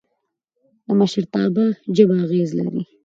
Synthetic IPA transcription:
d̪əmaʃəɾt̪ɑbad͡ʒəbaaɣezla̰ɾḭ

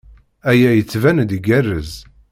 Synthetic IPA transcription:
æjæjət͡sːvænd̪iɡærəz

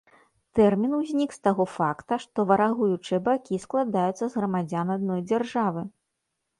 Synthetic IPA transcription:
t̪ɛrmʲinuwzʲnʲikst̪aɣɔfakt̪ɐʂt̪ɔvɐɾaɣujut͡ʂɨjɛbakʲisklˠad̪ajut̪sːɐzɣɾɐmad͡zʲanad̪̚nɔjd͡zʲarʐavɨ

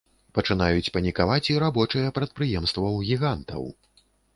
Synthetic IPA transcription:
pɐt͡ʂɨnajut͡sʲpɐnʲikavat͡sʲiɾabɔt͡ʂɨjɐpɾɐt̪̚pɾɨjɛmst̪vɐwɣʲiɣant̪ɐ̰w

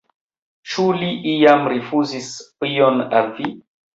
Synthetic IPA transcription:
t͡ʃuliʔijamɾefuzisijonalvi

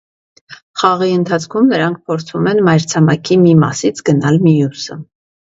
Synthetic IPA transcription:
χɑʁiənt̪ʰɑt͡sʰkʰumnəɾɑŋk̚ʰpʰɔɾt͡sʰumɛnmɑjɾt͡sʰɑmɑkʰimimɑ̰sit͡sʰɡənɑlmijusə

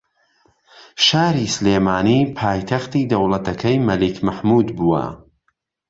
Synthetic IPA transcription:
ʃaːɾisleːmaːniːpʰaːjt̪ʰɐχt̪iːd̪ɐwlˠɐt̪ɐkʰɐjmɐlikmɐħmuːd̪buːɐ̰

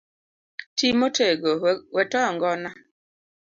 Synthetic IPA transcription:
timotʰeɡowɛtɔjɔŋɡɔna

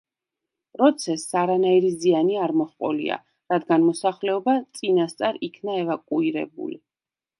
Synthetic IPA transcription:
pʼɾɔt̪sʰɛsːaɾanaiɾizianiaɾmɔχqʼɔlḭa̰ | ɾad̪ɡanmɔsaχlɛɔbat̪sʼinast̪sʼaɾikʰnaɛvakʼuiɾɛ̰bṵli

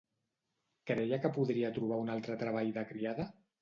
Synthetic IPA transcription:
kɾɛjakəpuðɾiat̪ɾuβ̞aunalˠt̪ɾət̪ɾəβ̞aʎðəkɾiaðə

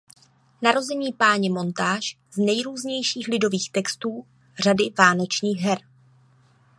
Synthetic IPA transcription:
naɾo̞zɛɲiːpaːɲɛmo̞nt̪aːʃ | znɛjɾuːzɲɛjʃiːxlɪdo̞viːxt̪ɛkst̪uː | r̝adɪvaːnot͡ʃɲiːɣɦɛɾ

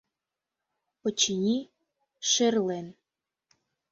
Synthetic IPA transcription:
pə̆t͡ɕinʲi | ʃerlen

